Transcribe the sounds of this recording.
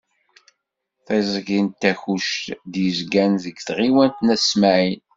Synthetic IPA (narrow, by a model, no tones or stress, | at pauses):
θezˤɡint̪ːæçuʃt̪d̪jəzɡænðəɡθʁiwænt̪næsmæʕin